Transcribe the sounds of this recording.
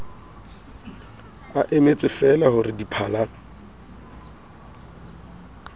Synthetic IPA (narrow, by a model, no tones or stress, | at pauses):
aʔemet͡sʼɪfɛlaɦʊrɪdipʰaːla